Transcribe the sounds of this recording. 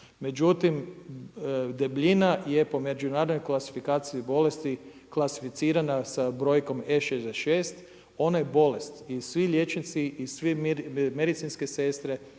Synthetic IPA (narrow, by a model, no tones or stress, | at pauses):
me̞d͡ʒut̪im | d̪ebʎʲinaje̞po̞med͡ʒunaɾod̪nojklˠasi̥fikaːt̪siibo̞le̞st̪i | klˠasi̥fit̪siːɾanasabɾo̞ːjko̞meʃezd̪eʃeːst̪ | o̞najebo̞le̞st̪isʋiʎʲje̞t͡ʃnit̪siʔisʋimed̪it̪sinske̞se̞st̪ɾe